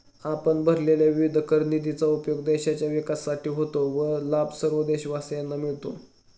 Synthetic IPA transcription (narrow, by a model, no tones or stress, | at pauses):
apəɳbʱəɾleljaʋiʋid̪ʱəkəɾnid̪it͡saupjoɡ̚d̪eɕat͡ɕjaʋikasːaʈʰiːɦot̪oʋəlabsəɾʋəd̪eɕʋasjanːamiɭt̪o̰